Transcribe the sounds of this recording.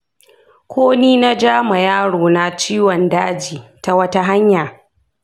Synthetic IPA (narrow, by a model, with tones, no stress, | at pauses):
kʷʰoː˦niː˦na˦d͡ʒaː˦ma˨jaː˦ɽoː˨na˨t͡ʃiː˦wɔ˨ndaː˦d͡ʒiː˨ta˦wɐ˦ta˦ɦa˦ɲja˨